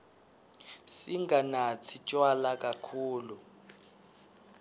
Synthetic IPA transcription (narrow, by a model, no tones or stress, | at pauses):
siŋɡʱanat͡sʰit͡ʃʼwalakʼakʰuːlu